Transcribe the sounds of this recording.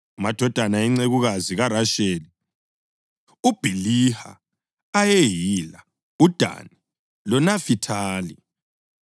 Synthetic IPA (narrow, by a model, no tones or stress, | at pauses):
umad̥ʱɔd̥ʱanaiŋ͡ǀeɣuɣaziɣaɾaʃeːli | ub̥ʱiliha̰ | ajejila | ud̥ʱa̰ni | lɔnafitʰaːli